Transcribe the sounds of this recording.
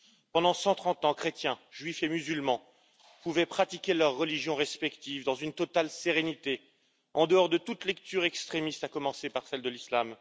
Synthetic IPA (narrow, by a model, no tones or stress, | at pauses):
pɑ̃d̪ɑ̃sɑ̃t̪χɑ̃t̪ɑ̃kχet̪jɛ̃ʒɥifemyzylmɑ̃ | puvɛpχat̪ikʲelœʁːəliʒjɔ̃ʁɛspɛkt̪ivd̪ɑ̃zynt̪ɔt̪alseʁenit̪e | ɑ̃d̪əɔʁd̪ət̪ut̪lɛk̚t̪yʁɛkst̪χemist̪akɔmɑ̃sepaʁsɛld̪əlislam